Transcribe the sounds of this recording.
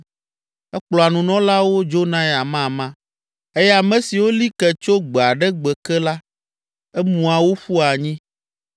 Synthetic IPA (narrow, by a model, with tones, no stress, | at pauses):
ɛ˦k͡plɔ˨a˨nũ˨nɔ̃˦la˦wo˦d͡ʒo˦nã˦ja˨mã˦˨mã˦ | e˦jɛ˦a˨mɛ̃˦si˨wo˦li˦kɛ˨t͡ʃo˦ɡ͡be˨a˨ɖɛ˦ɡ͡bɛ˨kɛ˦la˦ | ɛ˦mũ˨a˨wo˦ɸu˦a˨ɲĩ˦